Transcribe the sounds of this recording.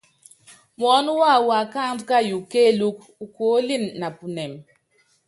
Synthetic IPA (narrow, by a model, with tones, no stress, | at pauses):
mɔ˨˦n˦wa˦˨wa˨ka˦m˦ka˦ju˨ke˦lu˦k̚ | u˨ko˨˦li˦˨nːa˨pu˨nɛ˨m